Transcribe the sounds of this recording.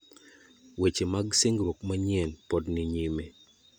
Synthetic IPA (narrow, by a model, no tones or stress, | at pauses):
wet͡ʃemaɡseŋɡɾokmaɲɛnpɔdniɲime